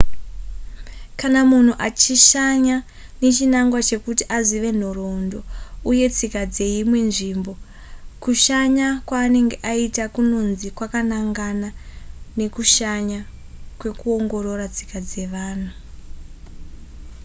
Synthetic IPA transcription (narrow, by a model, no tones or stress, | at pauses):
kanamun̤uʔat͡ʃiʃaɲa | ne̞t͡ʃinaŋɡwat͡ʃe̞kutiʔaziʋe̞n̤o̞rondo̞uje̞t͡sikad͡ze̞imwe̞nʐiːmbo̞ | kuʃaɲakwaːne̞ŋɡe̞ʔaitakuno̞nzikwakanaŋɡanane̞kuʃaɲa | kwe̞kuo̞ŋɡo̞ɾo̞rat͡si̥kad͡ze̞ʋaːn̤u